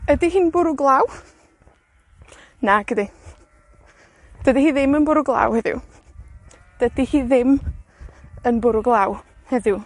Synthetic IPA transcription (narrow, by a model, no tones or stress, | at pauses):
ədiɦiːnbʊɾʊɡlˠaw | naɡ̥ədi | d̥ədihiːðɪmənbʊɾʊɡlˠa̰whɛðɪ̰w | d̥ədihiːðɪm | ənbʊɾʊɡlˠawhɛðɪw